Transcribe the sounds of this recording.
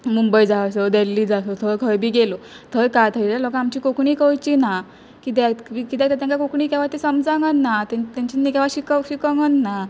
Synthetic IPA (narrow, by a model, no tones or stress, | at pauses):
mumbəjd͡zasəd̪elːiːd͡zasət̪ʰəjkʰəjbʱiːɡelo | t̪ʰəjkat̪ʰəitalɔkaamt͡ɕiːkokɳiːkəjt͡ɕina | kit̪ɛʋikit̪ɛt̪ɛat̪ɛãŋkakokɳiːkɛʋat̪esəmd͡zãŋɡənːat̪t̪ãɲt͡ɕinːikɛʋaɕikəɕikəŋɡənːa